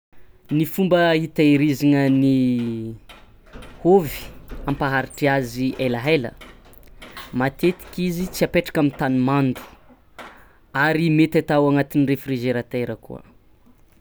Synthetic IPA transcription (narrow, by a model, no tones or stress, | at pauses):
nifumbəit̪aeɾiziŋəni | hovi̥ampaɦaɾiʈ͡ʂiaziʔelaɦelə̰ | mat̪et̪i̥kizit͡siapeʈ͡ʂḁkamit̪animand̪u̥ | aɾimet̪at̪awaŋat̪inirefriʒeɾat̪eɾəkṵə̰